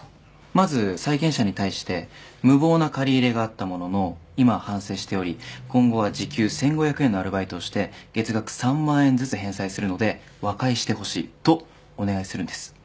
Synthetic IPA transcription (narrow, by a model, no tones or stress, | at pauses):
mazɨsaikẽ̞ɰ̃ɕaɲ̟it̪aiɕi̥t̪e̞mɯ̟bo̞ːnakaɾʲiːɾe̞ɡaːt̪ːamo̞no̞no̞imahãɰ̃se̞ːɕi̥t̪e̞o̞ɾʲikõ̞ŋɡo̞β̞ad͡ʑikʲɨːsẽ̞ŋɡo̞çjakɯ̟e̞nːo̞aɾɯ̟bait̪o̞ːɕi̥t̪e̞ɡ̥e̞t͡sɨɡakɯ̟̥sãmːãːẽ̞nd͡zɨt͡sɨɦẽ̞ɰ̃saisɨɾɯ̟nod̪e̞ | βakaiɕi̥t̪e̞ho̞ɕḭːt̪o̞ː | one̞ɡaisɨɾɯ̟̃nd̪̥e̞sɨ̥